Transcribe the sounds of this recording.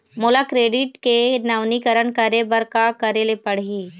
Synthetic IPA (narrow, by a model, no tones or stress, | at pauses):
moːlakɾeːɖɪʈkenaːʋnikəɾəɳkəɾebəɾkakɐɾelepɐɽ̤iː